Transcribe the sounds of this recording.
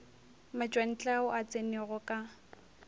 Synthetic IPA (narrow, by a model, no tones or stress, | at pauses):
mat͡ʃʼwan̩t͡ɬʼaʊʔat͡sʼenɛɣɔkʼa